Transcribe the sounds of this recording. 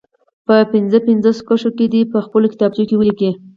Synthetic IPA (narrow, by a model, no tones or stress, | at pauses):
pəpɪnzəpɪnzoso̥kəʃoked̪ipəxpəlokɪ̥t̪ɑb̚d͡ʒokewəliki